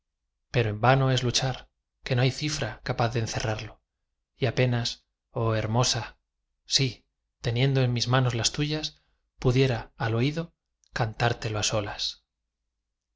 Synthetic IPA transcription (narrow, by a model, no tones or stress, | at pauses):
pe̞ɾo̞e̞mbano̞e̞zlut͡ʃaɾ | ke̞no̞ajθifɾakapaθðenθe̞raɾlo̞ | iape̞nas | o̞e̞ɾmo̞sa | si | t̪e̞njẽ̞nd̪oenmizmãno̞zlast̪uʝas | puðje̞ɾaːlo̞iðo̞ | kant̪aɾt̪e̞loaso̞las